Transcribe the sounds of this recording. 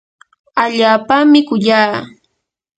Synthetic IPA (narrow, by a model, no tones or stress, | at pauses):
aʎaːpamɪkʊʎaː